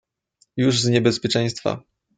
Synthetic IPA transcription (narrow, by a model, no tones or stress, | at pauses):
juʐzɲɛbɛspʲjɛt͡ʂɛ̃j̃st̪fa̰